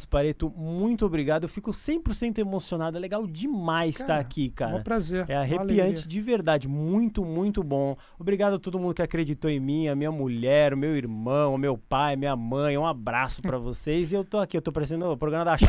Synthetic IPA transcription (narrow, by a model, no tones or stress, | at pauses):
sɪ̥paɾet̪ʊmũj̃t̪ʊobɾiɡad̪ʊewfikʊsẽj̃poɾsẽnt̪ʊemosionad̪ʊɛleɡawd͡ʒɪmajsst̪aakʰikaɾɐ̃pɾazeɾɛɐɦepiɐ̃nt͡ʃɪd͡ʒɪveɾd̪ad͡ʒɪmũj̃t̪ʊmũj̃t̪ʊbõ | obɾiɡad̪ʊɐt̪od̪ʊmũnd̪ʊkɪakɾed͡ʒit̪oẽmĩɐmĩɲɐmuʎɛɾʊmewiɾmɐ̃w̃ʊmewpajɐmĩɲɐmɐ̃j̃ɛũabɾasʊ̥pɾɐvosejzɪewt̪oakiewt̪opaɾes̬ẽnd̪ʊpɾoɡɾɐ̃mɐd̪aʃ